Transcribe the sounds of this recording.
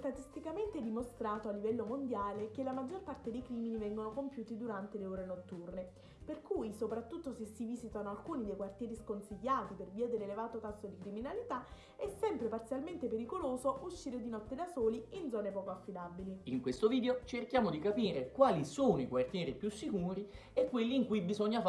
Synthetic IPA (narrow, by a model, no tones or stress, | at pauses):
st̪at̪ist̪ikament̪ed̪imost̪ɾaːt̪oalːivɛlːomond̪jaːlekelamad͡ʒːorpart̪ed̪ejkɾiːminivɛŋɡonokompjuːt̪id̪uɾant̪eleoːɾenot̪ːurne | perkuːjsopɾat̪ːut̪ːosesːiviːzit̪anoalkuːnid̪ejkwart̪jɛːɾiskonsiʎːaːt̪iperviːad̪elelevaːt̪okasːod̪ikɾiminalit̪a | ɛsːɛmpɾepart̪sjalment̪epeɾikoloːzoʔuʃːiːɾed̪inɔt̪ːed̪asoːliind̪zɔːnepɔːkoafːid̪abiliiŋkwest̪oviːd̪eot͡ʃerkjaːmod̪ikapiːɾekwaːlisoːnoikwart̪jɛːɾipjusːikuːɾiekːwelːiːŋkujbizoɲːaf